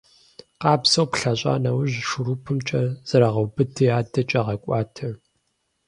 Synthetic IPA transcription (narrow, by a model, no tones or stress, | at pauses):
qɑːpsɐwpɬɐɕʷʼa̰ːnɐwʊʑʃʊɾupʰɨmt͡ʃʼɐz̥ɐɾɐʁɐwbɨtʰɨjaːdɐt͡ʃʼɐʁɐkʷʼɑːtʰɐ